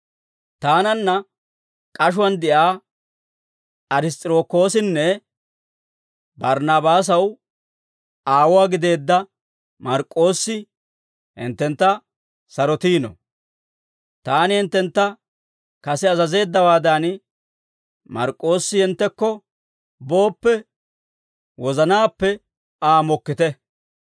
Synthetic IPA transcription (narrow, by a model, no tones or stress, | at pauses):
t̪aːnɐnːɐ | kʼɐʃ̬ʊwɐnd̪ɛʔaː | ʔɐɾɪst̪ʼɪɾo̞ːkːo̞ːsɪnːɛ | bɐɾnaːbaːs̬ɐw | aːwɔaːɡɪd̪e̞ːd̪ːɐ | mɐɾkʼːo̞ːsːɪ | hɪ̰nt̪ːɛnt̪ːɐ | sɐɾɔt̪iːnɔ̰ | t̪aːnɪhɪnt̪ːɛnt̪ːɐ | kɐsɛɐzɐze̞ːd̪ːɐwaːd̪ɐn | mɐ̰ɾkʼːo̞ːsːɪhɪnt̪ːɛkːɔ | bo̞ːpːɛ | wɔzɐnaːpːɛ | aːmɔkːɪt̪ɛ